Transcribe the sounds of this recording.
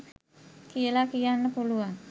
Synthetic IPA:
kiəlakijanːəpuluaŋ

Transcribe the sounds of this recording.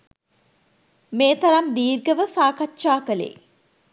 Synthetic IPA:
meːt̪ɐɾɐmd̪iːɾɡəʋəsaːkatːʃaːkəlḛː

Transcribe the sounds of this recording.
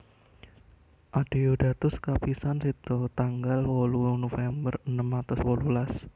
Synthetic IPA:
ʔaɖ̥eoɖat̪ʊskapisansit̪ot̪aŋɡalwolunofɛmbərənəmːat̪ʊswolulas

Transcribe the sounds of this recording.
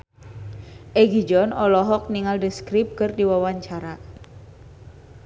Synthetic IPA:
ʔɛɡid͡ʒɔnɔlɔɦɔk̚niŋaldəskɾip̚kɨrdiwawaɲt͡ʃaɾa

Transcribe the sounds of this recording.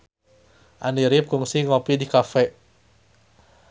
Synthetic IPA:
ʔaniɾip̚kuŋsiŋɔpidikafɛ

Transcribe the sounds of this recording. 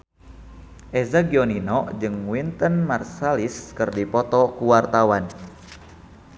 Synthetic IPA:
ʔɛzaɡiɔninɔd͡ʒɨŋwint̪ənmarsaliskɨrdipɔt̪ɔkuwart̪awan

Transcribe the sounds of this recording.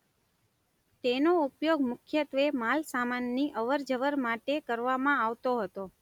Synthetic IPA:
t̪enoupjoɡmʊkʰjət̪ʋemalsamanːiʔəʋəɾd͡ʒəʋəɾmaʈekəɾʋamãaʋt̪oɦət̪o

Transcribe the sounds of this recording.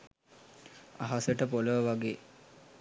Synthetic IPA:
a̰ɦasəʈəpoləʋəʋaɡeː

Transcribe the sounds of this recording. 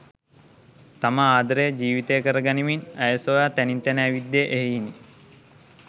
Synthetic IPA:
t̪aməaːd̪əɾəjəd͡ʒiːʋit̪əjəkəɾəɡaniminæjəsojaːt̪ænint̪ænəːʋid̪ːjeʔeɦiini

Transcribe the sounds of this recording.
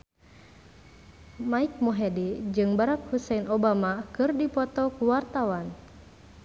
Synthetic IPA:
maik̚mɔɦɛdid͡ʒɨŋbaɾak̚husɛinɔbamakɨrdipɔt̪ɔkuwart̪awan

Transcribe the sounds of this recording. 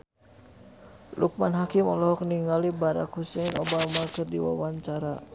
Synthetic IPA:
lʔuk̚manɦakimɔlɔɦɔk̚niŋalibaɾa̰khusɛinɔbamakɨrdiwa̰waɲt͡ʃaɾa

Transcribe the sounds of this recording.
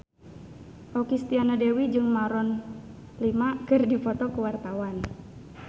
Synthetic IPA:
ʔɔkist̪ianadewid͡ʒɨŋmaɾɔn | limakɨrdifɔt̪ɔkəwart̪awan

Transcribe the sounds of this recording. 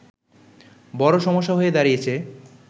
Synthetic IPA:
bɔɾoʃɔmoʃːaɦoed̪aɾijet͡ɕʰe

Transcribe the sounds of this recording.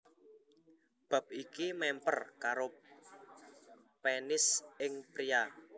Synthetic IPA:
b̥a̤p̚ikimɛmpə̰rkaɾo | penɪsɪŋpɾia

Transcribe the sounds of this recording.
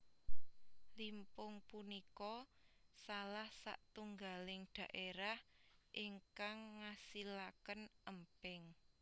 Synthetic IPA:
limpʊŋpunikɔsalahsa̰ʔt̪uŋɡalɪŋɖ̪̥ä̤ʔeɾahʔiŋkaŋːasilakənəmpɪŋ

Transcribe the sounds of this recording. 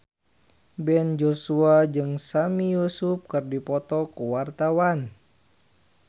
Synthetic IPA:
bɛnd͡ʒosuad͡ʒɨŋsamijusup̚kɨrdipɔt̪ɔkuwart̪awan

